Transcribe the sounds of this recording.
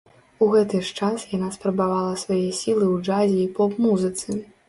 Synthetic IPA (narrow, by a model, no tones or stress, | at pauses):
uɣɛt̪ɨʂt͡ʂasjanaspɾɐbavalˠɐsvajɛsʲilˠɨwd͡ʐazʲiːpɔpmuzɨt̪sɨ